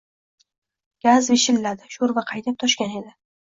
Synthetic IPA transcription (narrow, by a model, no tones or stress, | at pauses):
ɡ̥ʲazveʃɪlːad̪ɪʃoɾvaqʰɑjd̪ap̚t̪ʰɒʃkʲane̞d̪ɪ